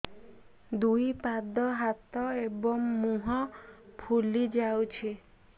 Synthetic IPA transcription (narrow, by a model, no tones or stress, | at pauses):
d̪ujpad̪ɔɦat̪ɔebɔŋmuɦɔpʰulid͡ʒawt͡ʃʰi